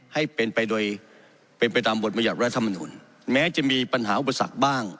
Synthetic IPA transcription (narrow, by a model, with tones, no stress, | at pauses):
ha˥˩jpe˧npa˧jdoː˧j | pe˧npa˧jt̪aː˧mbo˨˩t̪̚pa˧ja˨˩t̪̚ɾa˦˥t̪ʰːa˧mːa˧nṵː˧n | mɛː˦˥t͡ɕa˨˩miː˧pa˧nɦaː˩˦ʔu˨˩pa˧sa̰˨˩k̚baː˥˩ŋ